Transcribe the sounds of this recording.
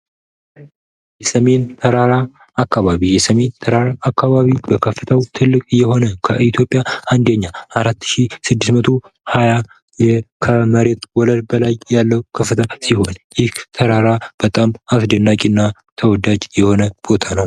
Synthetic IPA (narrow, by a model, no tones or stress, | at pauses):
jɛsəme̞nt̪ʰəɾaɾa | akːaβaβijɛsəme̞nt̪ʰəɾaɾaʔːkːaβaβibəkʰəfːɨt̪ʰəwt̪ʰɨlːɨkʼɨjːɛho̞nəkʰəʔit̪ʰjo̞pʼːjaʔand̪əɲːaʔaɾat̪ːɨʃisɨd̪ːɨsmət̪ʰo̞ | haja | jɛkʰəməɾe̞t̪wɔləlbəlajjalːəwkʰəfːɨt̪ʰəsiho̞njɪht̪ʰəɾaɾab̥ət̪ʼamasd̪ənːakʼinːat̪ʰəwɔd̪ad͡ʒjɛho̞nəb̥o̞t̪ʰanəw